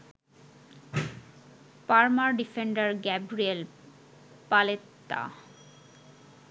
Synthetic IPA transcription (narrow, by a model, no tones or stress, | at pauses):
paɾmaɾɖifeɳɖaɾɡɛbɾiel | palet̪ːa̰